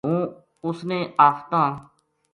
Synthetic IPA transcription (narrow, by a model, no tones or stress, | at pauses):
ɦũː | ʊsnẽːʔaːst̪ãː